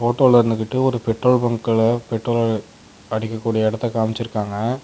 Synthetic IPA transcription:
foːʈːoːlɐɪɾnd̪ɯkːɪʈːɯɔɾɯpɛʈroːɭbɐŋɡkɐɭpɛʈroːlɐ | ɐɽɪkːɐkːuːɽijɐɪɽɐt̪ːɐkaːmɪt͡ʃːɪɾɯkːaːŋɡɐ

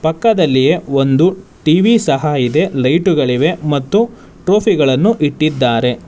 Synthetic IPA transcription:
pɐkːɐd̪ɐlːijeo̞nd̪uʈiʋisɐɦaid̪e̞lɐjʈuɡɐɭiʋe̞mɐt̪ːu | ʈɾoːpʰiɡɐɭɐnːuʔiʈːid̪ːaːɾe̞

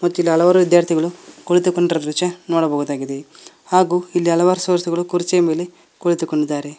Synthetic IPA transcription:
mɐt̪ːuilːiɐlɐʋaːɾuʋid̪jaːɾt̪ʰiɡɐɭukoɭit̪ukoɳɖɾɐd̪ɾit͡ʃɐnoːɽɐboːɣud̪aːɡid̪e | haːɡuːilːiɐlɐʋaːɾusɐːɾt̪iɡɐɭukuɾit͡ʃijɐme̞ːle | koɭit̪ukːoɳɖid̪ːaːɾe

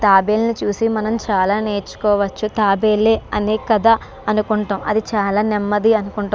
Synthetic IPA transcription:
t̪aːbe̞ːlɐnit͡ʃuːsimɐnɐmt͡ʃaːlaːne̞ːɾt͡ʃːu̥kɔːʋɐt͡ʃːut̪aːbe̞ːlːeːɐnekɐd̪ɐ | ɐnukuɳʈɐmɐ̰d̪it͡ʃaːlaːnɛmːɐd̪iɐnukuɳʈa

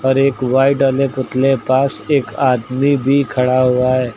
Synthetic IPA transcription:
ɔːɾeːkʋaːɪʈalepʊt̪lepaːseːkaːd̪mibʱikʰɐɽaɦuaɦɛː

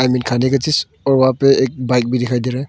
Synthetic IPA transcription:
ajminkʰanikatis | ɔɾwapeːk̚bajk̚bidikʰajdiɾe

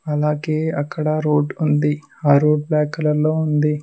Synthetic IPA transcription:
ɐlaːɡeːɐkʰːɐɽɐɾoːɖund̪i | aːɾoːɖ̚bɛːkɐlɐloːund̪i

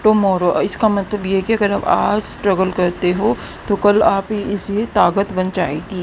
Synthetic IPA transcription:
ʈoːmɔːɾoʔɪskamɐt̪ləbjeɦɛkiɐɡəɾɐbaːd͡ʒsʈɾɐɡəlkɐɾt̪eɦoː | t̪okɐlaːpɪset̪aːɡət̪bɐnd͡ʒaːeːɡiː

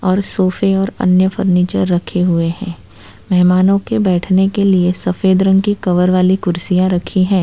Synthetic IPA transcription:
ɔːɾsoːfeɔːɾɐ̰njəfəɾniːt͡ʃəɾːɐkʰeɦʊeɦɛ̃ː | mɛɦmaːnõkebɛːʈʰnekeliesɐfeːd̪ɾə̃ŋɡkikɐʋəɾʋaːlikʊɾsijãɾɐkʰiɦɛ̃ː

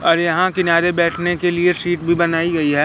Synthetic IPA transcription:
ɔːɾjɐɦãkɪnaːɾebɛːʈʰnekelieʃiːʈbʱibɐnaːiɡɐiɦɛː

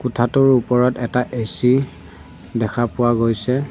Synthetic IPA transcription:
kʊtʰatʊɹupɔɹɔtɛtaʔesi | dɛkʰapʊwaɡojsɛ

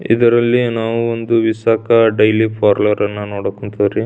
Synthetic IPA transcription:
ḭd̪ɐɾɐlːinaːʋuond̪uʋiʃaːkɐɖɐjlipʰaːɾlɐɾɐnːɐnoːɽɐkuɳt̪ɐɾi

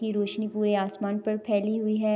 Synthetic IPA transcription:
iɾoːʃnipuːɾeaːsmaːnpɐɾpʰɛːliɦʊiɦɛː

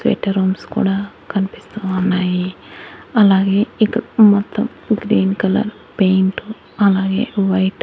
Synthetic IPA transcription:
sʋḛːʈɐɾoːmskṵːɽaː | kɐnpist̪ɐʋaːnaːji | ɐlaːɡeːikmɐt̪ːɐm | ɡɾiːnkɐlɐ̰ɾ | pejɳʈ | ɐlaːɡḛːʋɐjʈ

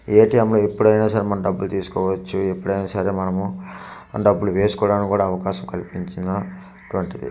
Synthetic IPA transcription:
eːʈiːɛmlo̞ːipːuɽɐjnaːsɐɾemɐnɐmɖɐbːulut̪iːsu̥kɔːʋɐt͡ʃːuepːuɽɐjnaːsɐɾemɐnɐmu | ɖɐbːuluʋe̞ːsu̥kɔːɽaːnkkuːɽaːɐʋɐkaːʃɐmkɐlipiɲt͡ʃind̪ɐ | ʈuʋɐɳʈid̪ḭ

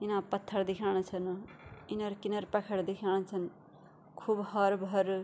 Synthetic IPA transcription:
inapʌt̪ʰːʌɾd̪ikʰañt͡sʰʌninʌɾkinʌɾpakʰɐɽd̪ikʰañt͡sʰʌn | kʰubhʌɾbʱʌɾ

